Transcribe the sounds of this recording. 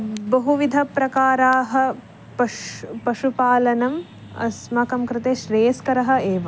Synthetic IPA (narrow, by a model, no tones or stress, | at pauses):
bɐɦuʋid̪ʱɐpɾɐkaːɾaːɦɐ̆ | pɐpɐʃupaːlɐnɐm | ɐ̰smɐkɐmkɾɪt̪eːʃɾeːɐskɐɾɐɦɐ̆eːʋɐ